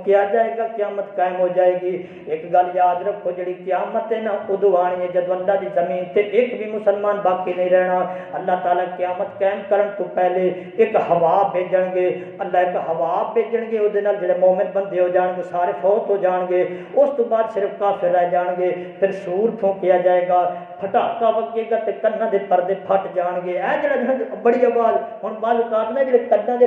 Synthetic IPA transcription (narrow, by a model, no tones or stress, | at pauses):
kɪjaːd͡ʒaːeːɡaːkɪjaːmət̪kaːmɦoːd͡ʒaːeːɡiː | ɪkɡəljaːd̪ɾəkɦoːd͡ʒeːɽiːkɪjaːmət̪ːeːnaːkʊd̪ʊaːɽ̃iːɦɛːd͡ʒəd̪õːəlːãːd̪iːzəmiːnt̪eːʔɪkbʱiːmʊsəlmaːnbaːkiːnəĩːɾɛːɽ̃aːəlːaːt̪aːlaːkɪjaːmət̪kɛːmkəɾəɳt̪õːpɛːleː | ɪkhəʋaːbʱeːd͡ʒəɳɡeː | əlːaːɪkɦəʋaːbʱeːd͡ʒəɳɡeːʊd̪eːnaːld͡ʒeːɽeːmoːmɪn̚bənd̪eːɦoːd͡ʒaːɳɡeːsaːɾeːpʰɔːt̪ɦoːd͡ʒaːɳɡeːʊst̪õːbaːd̪sɪɾəfkaːpʰɪɾaːed͡ʒaːɳɡeːpʰɪɾsuːɾt̪ʰõːkɪjaːd͡ʒaːeːɡaː | pʰəʈ̪aːkaːʋəkɡeːɡaːt̪eːkənːãːd̪eːpəɾd̪eːpʰəʈd͡ʒaːɳɡeːɛːd͡ʒeːɽaːd͡ʒbəɽiːaːʋaːzɦʊɳʋaːlkaːɾnaːd͡ʒeːɽeːkənːãːd̪e